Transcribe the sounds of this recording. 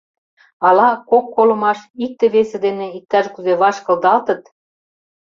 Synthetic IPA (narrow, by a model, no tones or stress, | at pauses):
ɑlɑkokːolɤ̆mɑʃik̚t̪ĕβesĕd̪eneik̚t̪ɑʃkyzeβɑʃkɤ̆ld̪ɑlt̪ə̆t̪